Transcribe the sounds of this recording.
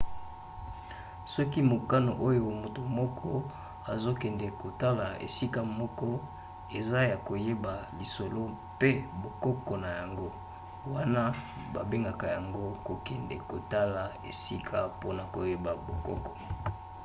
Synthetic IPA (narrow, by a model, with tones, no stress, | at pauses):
sɔ˦ki˦mo˨ka˦no˨ʔo˦jo˨mo˨to˨mɔ˦kʰɔ˦ | a˨zo˦kɛ˨ndɛ˨ko˨ta˦la˨ḛ˨si˦ka˦mɔ˦kɔ˦ | e˨za˦ja˨ko˨je˦ba˨li˨so˨lo˦ | pe˦bo˨kɔ˦kɔ˨na˨ja˨ŋɡo˦ | wa˦na˦ | ba˨be˦ŋɡa˨ka˨ja˨ŋɡo˦ko˨kɛ˨ndɛ̰˨ko˨ta˦la˨ḛ˨si˦kʰa˦po˦na˨ko˨je˦ba˨bo˨kɔ̰˦kɔ̥˨